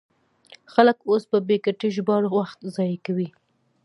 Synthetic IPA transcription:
xaləkospəbekaʈeʒbɑɽowaxt̪zɑjkawi

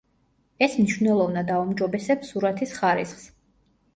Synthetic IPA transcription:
ɛsmniʃvnɛlˠɔvnad̪aumd͡ʒɔbɛsɛpsuɾat̪ʰisχaɾḭsχs

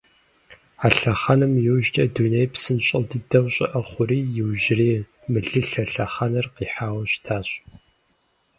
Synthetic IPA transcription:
aɬɐχɐnɨmjɪwʒtʼɐdunejpsɨnɕʼɪldɨdɐwɕʼɪ̰ʔɐχʷʊɾiːjɪwʒɪriː | mɨɮɨɬɐɬɐχɐnɐrqiːħaːwɐɕtʰaːɕʼ

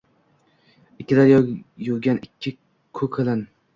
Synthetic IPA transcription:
ɪkʲːɪlaɾjjoɡʲanɪkʲʰːɪ | kʰɵkʲʰelɪn

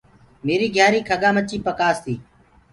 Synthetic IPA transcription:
meːɾiːɡʱjaːɾiːkʰəɠaːmət͡ʃiːpəkaːst̪iː

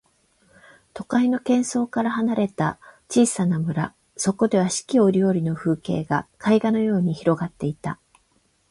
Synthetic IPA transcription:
t̪o̞kaino̞kẽ̞ɰ̃so̞ːkaɾaɦanaɾe̞t̪at͡ɕiːsanamɯ̟ɾa̰ | so̞ko̞d̪e̞βaɕi̥kʲio̞ɾʲoːɾʲino̞ɸɯ̟ːke̞̰ːɡakʰaiɡano̞jo̞ːɲ̟içiɾo̞ɡat̪ːe̞it̪a

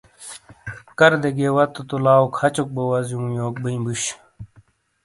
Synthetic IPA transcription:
kɐɾd̪eɡewɐt̪ːut̪ulaːukʰɐt͡ɕuk̚bowɐzjũːjoːk̚biĩbuɕ

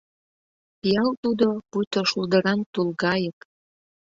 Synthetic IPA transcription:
pijɑlt̪ud̪opujt̪oʃuld̪ə̆ɾɑnt̪ulɣɑjə̆k

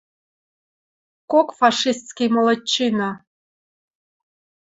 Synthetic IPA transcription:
kokfɑʂist̪skʲijmolˠɑt͡ɕːinɑ

